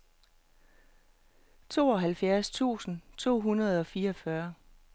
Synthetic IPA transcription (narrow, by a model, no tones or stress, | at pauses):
t͡sʰo̝̰ːɒ̽ɦælfjæɐst͡sʰṵːsn̩t͡sʰo̝̰ːɦunɐð̞̩ˠɒ̽fiːɐɒfɶɐ